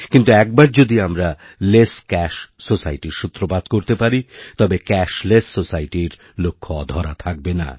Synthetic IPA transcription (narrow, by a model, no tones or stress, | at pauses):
kint̪uɛk̚baɾd͡ʑod̪iamɾa | leskɛʃsosaiʈiɾʃut̪ɾobad̪ʱkoɾt̪epaɾit̪ɔbekɛʃlessosajʈiɾ | lokʰːoɔ̰d̪ʱɔɾat̪ʰak̚bena̰